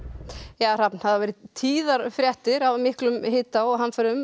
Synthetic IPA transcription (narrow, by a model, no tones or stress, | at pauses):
jaːɾapn̥haðavɛɾɪt̪ʰiːðaɾfɾjɛht̪ɪɾavmɪhklʏmhɪːt̪aɔɦanfœɾʏm